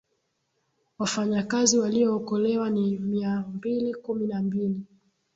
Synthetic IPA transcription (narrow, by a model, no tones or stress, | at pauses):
wafaɲakaziwaliɔːkɔlɛwanimiambilikuminambili